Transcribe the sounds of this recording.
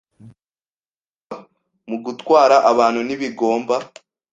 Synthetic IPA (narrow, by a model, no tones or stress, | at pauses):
muɡutwaːɾaʔaβaːn̥huniβiɡo̞ːmba